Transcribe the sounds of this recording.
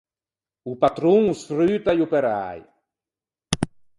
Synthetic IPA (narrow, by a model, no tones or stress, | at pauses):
upat̪ɾuŋusfɾyːt̪ajupeɾa̰j